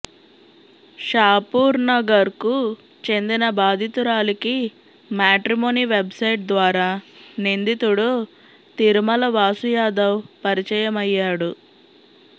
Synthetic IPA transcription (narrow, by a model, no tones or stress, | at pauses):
ʃaːpuːɾnɐɡɐɾku | t͡ʃend̪inɐbaːd̪ʱit̪uɾaːliki | maːʈɾimoːniʋe̞bsɐjʈ̚d̪ʋaːɾaːnind̪it̪uɽu | t̪iɾmɐlɐʋaːsujaːd̪ɐwpɐɾit͡ʃɐjɐmɐjːaːɽu